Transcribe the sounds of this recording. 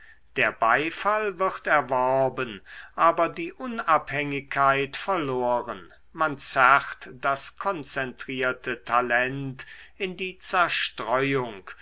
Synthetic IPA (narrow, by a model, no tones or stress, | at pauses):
d̥eːɐbaɪfalvɪʁtɛɐvɔʁbənʔaːbɐdiːʔʊnaphɛŋɪkʰːaɪtfɛɐloːʁən | mant͡saχtd̥askʰɔnt͡sɛntʁ̥iːɐtətʰalɛntɪndiːt͡sɛɐʃtʁ̥ɔʏʊŋk